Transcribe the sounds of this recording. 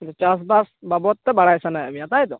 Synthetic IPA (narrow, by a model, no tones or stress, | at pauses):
dɔt͡ʃas̬basbabɔt̪̚ːɛbaɽajsanajamijat̪ajd̪ɔ